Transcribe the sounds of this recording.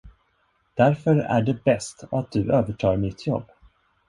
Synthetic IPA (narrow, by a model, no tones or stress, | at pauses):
d̪̥æɾfœɾæ̰ɖɛbɛst̪at̪̚d̪ɵøːvəʈʰɑːɾmɪt̪ʰːjɔ̰bː